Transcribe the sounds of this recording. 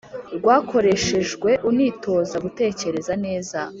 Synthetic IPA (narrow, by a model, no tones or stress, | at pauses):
ɾɡwaːkʰo̞ɾe̞ʃe̞ʒɡwe̞ʔuniːtʰo̞ːzaɡute̞ːce̞ɾe̞zane̞ːza